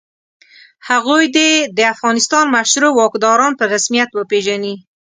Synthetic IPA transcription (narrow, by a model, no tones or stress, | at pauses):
haɣojd̪ed̪əafɣɑnɪst̪ɑnmaʃɾowɑkd̪ɑɾɑnpəɾasmijat̪wəpeʒani